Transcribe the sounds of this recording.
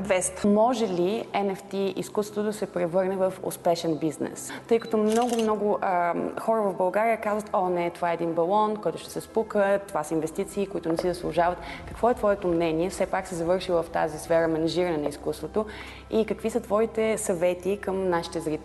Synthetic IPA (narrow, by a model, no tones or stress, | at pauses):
vɛst̪mɔʒɛliɛnɛft̪iḭskust̪vot̪od̪ɐsɛpɾɛvɤɾnɛvɐfo̰spɛʃɛnbiznɛ̰st̪ɤjkɐ̥t̪ɔmnɔɡʊmnɔɡʊʔəxɔɾəvɐvbɐlˠɡaɾijəkazvət̪ɔnɛt̪ovaɛd̪inbɐlˠɔnkɔjt̪ʊʃt̪ɛ̥sɛspukət̪ːovasəinvɛst̪it̪siːkoit̪ʊnɛsizəslˠuʒavət̪kəkvɔɛt̪vɔɛt̪omnɛniɛfsɛpaksɛzɐvɤɾʃivəft̪a̰zisfɛɾəmɛnɐʒiɾəɐnɛnɐiskust̪vot̪o | ikəkvisət̪vɔit̪ɛsɐvɛt̪ikəmnaʃi̥t̪ɛzɾit̪